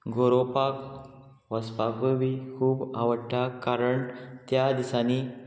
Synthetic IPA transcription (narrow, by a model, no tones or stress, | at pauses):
ɡoɾopak | ʋəspakuʋikʰuːbaʋəɽʈʰːakaɾəɳt̪jad̪isani